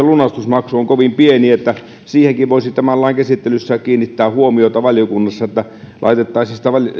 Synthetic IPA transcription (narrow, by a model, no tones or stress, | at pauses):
elunɑst̪usmɑksuoŋkoʋimpieniet̪ːæ | siːhekiʋʋoˑisit̪æmælːɑˑiŋkæsit̪ːelysːækiːnːit̪ːæːhuomiot̪ɑʋɑljokunːɑsːɑet̪ːæ | lʔɑ̰it̪et̪ːɑˑisisit̪æʋɑl